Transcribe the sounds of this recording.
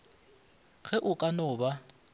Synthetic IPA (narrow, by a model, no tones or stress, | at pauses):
ɣʰɛʔʊkʼanɔːba